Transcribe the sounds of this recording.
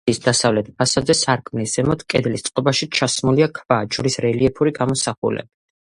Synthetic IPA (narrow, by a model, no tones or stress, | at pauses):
isd̪asavlɛt̪̚pʰasabzɛsaɾkʰʼmnisz̥ɛmɔt̪ʰkʼɛd̪list̪sʼqʼɔbaʃit͡ʃʰasmuliakʰvad͡ʒuɾisɾɛliɛpʰuɾiɡamɔsaχṵlɛ̰bi